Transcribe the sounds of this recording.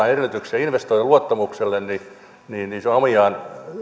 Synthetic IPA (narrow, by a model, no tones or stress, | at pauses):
ɑerelːt̪yksɑinʋest̪oiluot̪ːɑmukselːenni | niːnniseɑmiɑːn